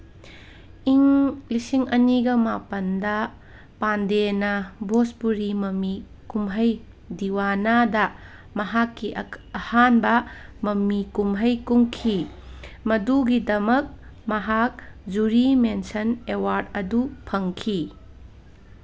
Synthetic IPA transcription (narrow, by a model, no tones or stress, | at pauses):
iŋlisiŋɐniɡɐmapɐndɐ | pandenɐbʱospuɾimɐmi | kumɦɐj | diwanadɐ | mɐɦakːiʔɐhanbɐ | mɐmːikumɦɐjkuŋkʰi | mɐduɡidɐmɐk̚mɐɦak̚d͡ʒuɾimensɐnewaɾtɐdupʰɐŋkʰi